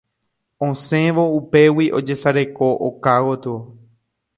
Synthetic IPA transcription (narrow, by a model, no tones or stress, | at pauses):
õsẽ̞ʋo̞upe̞wiʔo̞d͡ʒe̞saɾe̞ko̞ʔo̰kawot̪ɨo